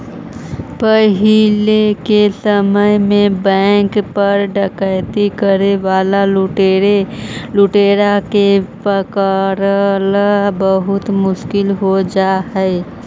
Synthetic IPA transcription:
pəɦɪlekesəməjmẽbɛ̃ːŋkpɐɾɖəkəːt̪ikəɾeʋaːlaʈeelʊʈeːɾakepəkaɾlbəɦʊt̪mʊʃkɪlɦod͡ʒaːɦɛe

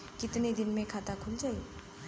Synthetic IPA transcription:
kit̪nid̪inmekʰat̪akʰuld͡ʒaj

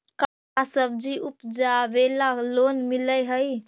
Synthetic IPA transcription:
ka | asəb̚d͡ʒiʔupd͡ʒabelalonmiləjɦəj

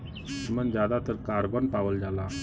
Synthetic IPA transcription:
mənd͡ʑjad̪at̪əɾkaɾbənpaʋəld͡ʑala

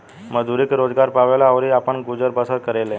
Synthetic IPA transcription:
məd͡zuɾiːkɾod͡zɡaɾpaʋelaəʋɾiːapəɳɡud͡zəɾbəsəkəɾele

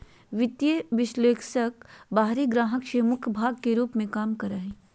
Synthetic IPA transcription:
ʋɪt̪jeʋɪʃleːksəkbaːɦɾiɡɾaːɦəkʃeːmʊkʰbʱaːɡ̚keɾuːpmẽkaːmkɐɾəɦẽː

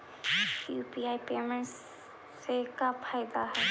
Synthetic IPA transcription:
juːpiːaːipeːmẽɳʈsː | ekapʰaːɪd̪aɦɛː

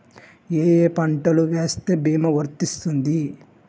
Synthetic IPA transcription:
eːjeːpɐɳʈɐluʋe̞ːst̪e̞ːbʱiːmɐʋɐɾt̪ist̪und̪i

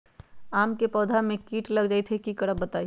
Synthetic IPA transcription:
aːmkepɔːd̪ʱamẽkiːʈləɡd͡ʒaːit̪ʰekikəɽəbbət̪aːi

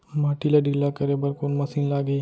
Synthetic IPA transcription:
maʈilaɖʱilakəɾebəɾkoːnmɐsiːnlaːɡəi

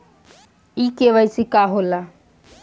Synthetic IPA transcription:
ikeʋəjsikaɦola

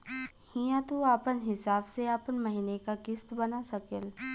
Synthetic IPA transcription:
hijãt̪uaːpənɦɪsaːbseaːpənməɦinekakɪst̪bɐnasɐkel

